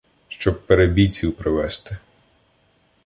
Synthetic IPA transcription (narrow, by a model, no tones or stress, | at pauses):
ʃt͡ʃɔb̚peɾebʲit͡sʲiwpɾɪʋɛst̪ɪ